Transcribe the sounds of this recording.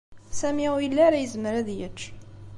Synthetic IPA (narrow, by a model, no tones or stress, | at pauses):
sæmiæwjəlːæɾæjəzmɾæðjət͡ʃː